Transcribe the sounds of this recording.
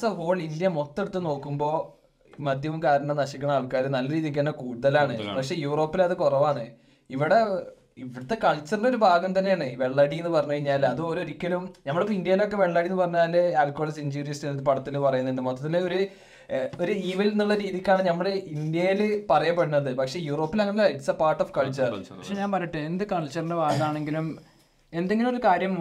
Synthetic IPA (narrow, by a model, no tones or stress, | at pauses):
sɐɦo̞ːɭind̪jɐmot̪ːe̞ɽut̪ːɨno̞ːkːumbo̞ː | mɐd̪ʱjɐʋumkaːɾɐɳɐnɐɕikʲːɐɳɐmaːɭkaːɾɨnɐlːɐɾiːðik̬ːɐːnːɐkuːɽuðɐlaːɳɨpɐkʂe̞ːjuːro̞ːpːilɐðɨkurɐʋaːɳɨ | iʋiɽe | iʋiɽɐt̪ːekɐɭt͡ɕːɐrnɖo̞ɾubʱaːɡɐmt̪ɐnːeaːɳɨʋe̞ɭːaɽienːɨpɐrɐɲːuɐiɲːaːlɐðɨo̞ɾo̞ɾikʲːɐlumnɐmːɐɽepːoind̪jɐjilo̞kːe̞ʋeɭːaɽijenːɨpɐrɐɲːaːlːeaːlkːoɭɐsiɲd͡ʑuːɾijɐsniðɨpɐɽɐt̪ːilupɐrɐjunːɐeinːumːoɐt̪ːet̪ːɐnːeo̞ɾu | o̞ɾuiːʋɐjlnːuɭːɐɾiːðikʲːaːɳɨnɐmːɐɭeind̪jɐjilpɐrɐjɐpːeɽunːɐðɨpɐkʂe̞ːjuːro̞ːpːilɐŋːɐnːilaiʈsɐpaːrʈːofkɐɭt͡ɕɐrɐpɐʂeɲaːnbɐɾiʈːɨend̪ɨkɐɭt͡ɕːɐrnɖebʱaːɡɐaːɳe̞ŋɡilum | e̞nd̪eŋɡilumoɾukaːɾjɐm